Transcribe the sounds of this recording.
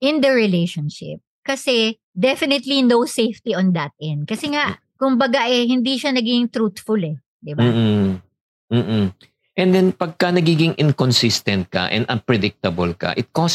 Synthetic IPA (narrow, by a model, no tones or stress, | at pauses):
ʔɪ̃nd̪ɐɹɪlejʃonʃɪ̰p̚kɐsɛ | d̪ɛfɪnɪt̪linowsejft̪iʔɔ̃nd̪ɐt̪̚ʔɛnd̪̚kɐsɛŋaʔ | kʊmbɐɡaʔɛhɪnd̪iʃɐnɐɡiɪŋt̪ɾut̪fʊlɛ | d̪ɪba | m̩ː | ʔɛnd̪ɛnpɐɡ̚kɐnɐɡiːɡɪŋʔɪŋkonsɪst̪ɛnt̪̚kɐ̰ʔɛ̰nd̪ɐnpɹɛd̪ɪk̚t̪ɐbɐlkɐ̰ʔɪt̪̚kos